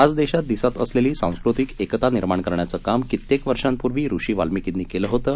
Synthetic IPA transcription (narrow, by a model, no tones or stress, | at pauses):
ad͡zd̪eɕat̪̚d̪isat̪ə̰sleliːsã̰w̃skɾut̪ikekt̪aniɾmaɳkəɾɳjat͡səkamkit̪ːekʋəɾʂãmpuɾʋiːɾuʂiːʋalmikit̪niːkeləːɦot̪əː